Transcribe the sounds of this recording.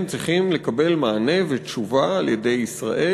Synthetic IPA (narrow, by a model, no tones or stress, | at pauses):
mt͡sʁiχimle̞kabe̞lmaːne̞vetʃuvaːlje̞de̞jisʁa̰ʔe